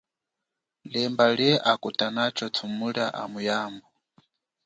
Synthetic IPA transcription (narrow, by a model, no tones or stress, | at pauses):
lɛmbaɺɛʔakutʼanat͡ʃʰɔt͡sʰumuɺaʔa̰mujaːmbɔ